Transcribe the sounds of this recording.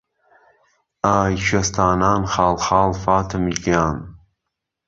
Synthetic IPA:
aːjʃɥɐst̪ʰaːnaːnxaːlxaːlfaːt̪ʰɨmikjaːn

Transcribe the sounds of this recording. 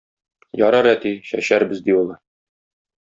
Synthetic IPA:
jɒɾɑɾæt̪iɕæ̰ɕæɾbɘzd̪iulˠɤ

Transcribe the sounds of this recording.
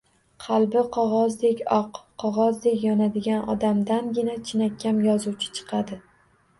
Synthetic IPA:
qʰɑlˠbɪqʰɒʁɒzd̪ekʲɒqʰːɒʁɒzd̪e̞kʲjɒnad̪ɪɡʲanɒ̰d̪amd̪anɡʲɪnat͡ʃʰɪnakʲʰːamjɒzuwt͡ʃʰɪ̥t͡ʃʰɨ̥qʰɑd̪ɪ

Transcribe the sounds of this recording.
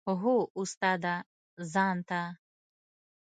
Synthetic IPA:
ɦuust̪ad̪a | zant̪a

